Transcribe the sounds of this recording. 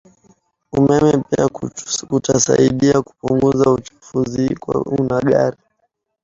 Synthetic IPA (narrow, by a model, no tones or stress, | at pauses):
umɛmɛpiakutasaiɗiaku̥puŋɡuzaut͡ʃu̥fuzikwa̰unaɠaɾi